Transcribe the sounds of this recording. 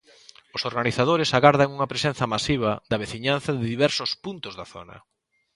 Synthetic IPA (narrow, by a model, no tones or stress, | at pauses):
ʊsoɾɣaniθað̞oɾɪsaɣaɾðaŋuŋɐpɾesenθɐmasiβɐðɐβ̞eθiɲan̟θɐðɪðiβɛɾsʊspunt̪ʊzðaθo̰nɐ̰